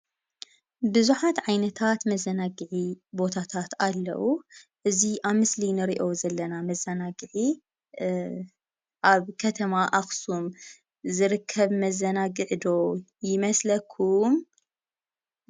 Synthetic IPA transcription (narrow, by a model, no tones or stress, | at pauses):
bɨzuħat̪ʕajnɐt̪ʰat̪mɐzːɐnaɡɨʕibo̞t̪ʰat̪ʰat̪alːɐ̰wuʔɨziʔaβmɨslinɨɾiʔo̞zɐlːɐnamɐzɐnaɡɨʕi | ʔaβkʰɐt̪ʰɐmaʔaxsum | zɨɾɨkʰːɐβmɐzɐnaɡɨʕd̪o̞jɪmɐslɐkʰːum